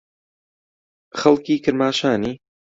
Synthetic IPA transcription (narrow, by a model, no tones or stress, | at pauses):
xɐlˠkiːkʰɨɾmaːʃaːniː